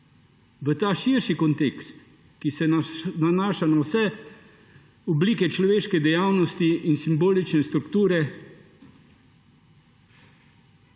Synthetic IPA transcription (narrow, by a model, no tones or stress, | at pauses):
ʋət̪aːʃiːɾʃikɔnt̪ekst̪ | kisɛnanaːʃanawsɛ | ɔbliːkɛt͡ʃlɔʋeːʃkɛd̪ɛjaːwnɔst̪iinsimboːlit͡ʃnɛst̪ɾukt̪uːɾɛ